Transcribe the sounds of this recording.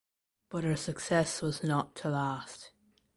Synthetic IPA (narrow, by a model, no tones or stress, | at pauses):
b̥ʌt̚hə˞sɨksɛswʌznətʰəlæst